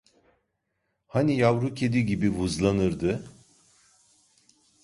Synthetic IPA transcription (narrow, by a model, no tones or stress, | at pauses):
hanijavɾucʰed̪iɟibivuzlˠanɯɾd̪ɯ